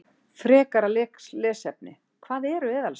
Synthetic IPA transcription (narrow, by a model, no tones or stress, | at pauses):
fɾɛːkaɾalɛːklɛːsɛp̚nɪ | kʰvaːðɛɾʏvɪːðal